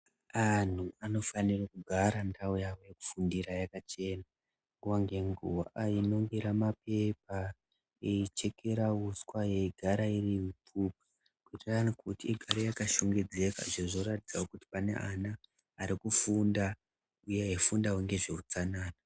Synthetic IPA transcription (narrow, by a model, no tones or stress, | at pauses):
an̤uano̞fanirakuɡʱaɾandaujawojeku̥fundiɾajakat͡ʃe̞na | ŋɡuwaŋɡe̞ŋɡuwaʔaino̞ŋɡeɾamape̞p̚a | eit͡ʃe̞ke̞ɾauskwaje̞ɡʱaɾairiɦipʰup̚ḁ | kwitirankutieɡʱaɾojakaʃoŋɡed͡ze̞ka̰ʐeʐoratid͡zawokuti̥pane̞̰ʔanaː | ɾikufunda | ujeɦefundaweŋɡe̞ʐe̞ut͡sanaːna